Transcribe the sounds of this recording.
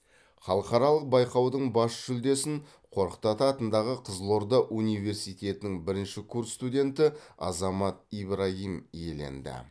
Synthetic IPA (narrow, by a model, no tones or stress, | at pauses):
χɑlˠəqɑɾɑlˠəq̚bɑjqɑwd̪əɴbɑsʒ̥ʏld̪e̞sɪɴ | qʰo̞ɾəqt̪ɑt̪əɑt̪ənd̪ɑʁəqʰəzlˠo̞ɾd̪əʔunijve̞ɾsijt̪ʲe̞t̪ɪnɪŋbɪɾɪnʃɪkʰurst̪udʲe̞nt̪ɪɑ̰zɑmɑt̪̚ibɾaɦimje̞le̞̰nd̪ɪ̰